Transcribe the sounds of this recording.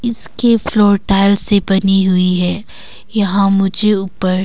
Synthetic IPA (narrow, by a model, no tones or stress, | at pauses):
ɪskefloːɾʈaːɪlsebɐniɦʊiɦɛː | jɐɦãmʊd͡ʒʱeuːpəɾ